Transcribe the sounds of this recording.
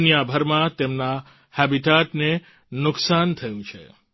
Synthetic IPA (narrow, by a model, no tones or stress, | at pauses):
njabʱəɾmãt̪emna | hɛbiʈatne | nʊksant̪ʰəjũt͡ʃʰḛ